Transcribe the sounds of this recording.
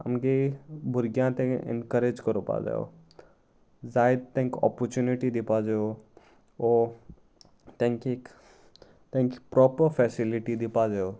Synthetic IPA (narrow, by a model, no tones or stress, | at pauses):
ɐ̰mɡebʱʊɾɡjãt̪ẽɛ̰nkəɾed͡ʒkəɾopa̰ːd͡ʒa̰o̰ | zaːjd̪t̪ɛ̃ŋkɔ̰pɔɾt͡ʃuniʈid̪ɪpad͡ʒeo | ɔ | t̪ẽŋkiek | t̪ẽŋki̥pɾɔːpəɾfʰɛːsilɪʈid̪ɪpad͡ʒao